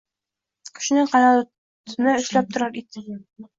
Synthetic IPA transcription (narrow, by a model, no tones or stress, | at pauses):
kʰɵ̥̆ʃɘ̆nɘŋqɑnɑlˠ | t̪ʰnɘɵ̆ʃlæp̚t̪ʰŏɾɑɾid̪ɘ